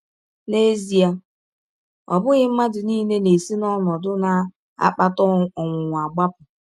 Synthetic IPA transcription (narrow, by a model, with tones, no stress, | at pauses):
ne˦zi˨a˦ | ɔ̰˨bʊ˦ɣɪ˦m̩˦ma˦dʊ˨niː˦ne˦ne˨si˦nɔ˦nɔ˨dʊ˦na˨ | a̰˦k͡pa˦tɔ˦ɔ˨ŋʷʊ˨ŋʷʊ˨a˨ɡ͡ba˦pʊ˨